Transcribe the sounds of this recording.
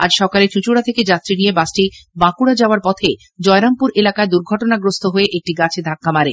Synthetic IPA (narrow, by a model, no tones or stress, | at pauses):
a̰d͡ʑʃɔkalet͡ɕut͡ɕuɽat̪ʰeked͡ʑat̪ːɾinijebasʈibãkuɽad͡ʑaoaɾpɔt̪ʰe | d͡ʑɔeɾampuɾelakaed̪uɾɡʱɔʈonaɡɾost̪ʰoɦoeʔek̚ʈiɡat͡ɕʰed̪ʱakːamaɾe